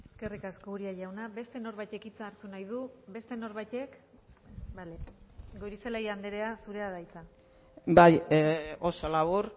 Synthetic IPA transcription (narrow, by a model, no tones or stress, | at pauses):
eske̞rikasko̞uɾiaʝawnaβe̞st̪e̞no̞ɾβajt̪e̞kit͡saːɾt̪unajð̞uβe̞st̪e̞no̞ɾβajt̪e̞k | baleɡoɾiselajand̪eɾe̞asuɾe̞aðajt͡sa | bajo̞so̞laβuɾ